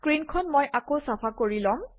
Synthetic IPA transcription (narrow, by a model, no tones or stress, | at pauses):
kɹinkʰɔnmɔjʔakowsapʰakoɹilɔm